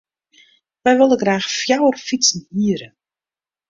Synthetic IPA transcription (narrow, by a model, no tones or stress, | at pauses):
ʋɛjʋɪlˠəɡraːxfjawərfisən̩hiəɾə